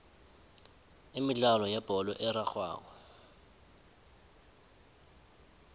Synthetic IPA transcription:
ɪmilalɔjab̥ʱɔlɔʔɛɾaxwa̰ːkɔ

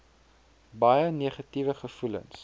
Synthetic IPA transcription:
bɐjəniːχɐtivəχəfulə̰ns

